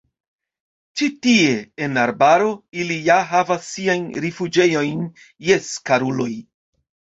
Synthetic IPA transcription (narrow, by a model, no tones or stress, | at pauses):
t͡ʃitie̞enaɾbaɾo̞ilijaɦavasːiajnɾifud͡ʒe̞jo̞jn | je̞skaɾulo̞j